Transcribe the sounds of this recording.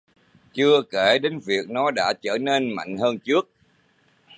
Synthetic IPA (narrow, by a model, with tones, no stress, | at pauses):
t͡ɕɨ˧əke˧˩ɗe˨˦nvi˨˩ək̚nɔ˨˦ɗa̰ː˧˥t͡ɕəː˧˩ne˧nma̰˧˨jŋ̟həː˧nt͡ɕɨ˦˥ək̚